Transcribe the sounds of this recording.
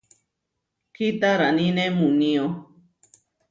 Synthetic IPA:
kit̪aɾanĩnẽmunĩo

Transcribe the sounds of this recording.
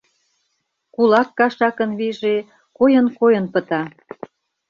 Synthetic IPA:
kulɑkːɑʃɑkə̆nβiʒe | kojə̆nkojə̆npə̆t̪ɑ

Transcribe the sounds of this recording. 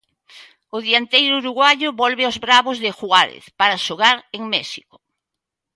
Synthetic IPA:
ʊðiant̪ejɾʊuɾuɣwaʎʊβɔlβɪozβɾaβʊzðɪxuaɾḛθpaɾaʃoɣaɾeŋmɛʃiko̥

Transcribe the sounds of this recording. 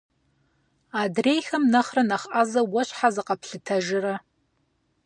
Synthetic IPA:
adrejxɐmnɐχrɐnɐχʔazɐwɔɕħazɨqɐpʰɬɨtʰɐʒɪrɐ

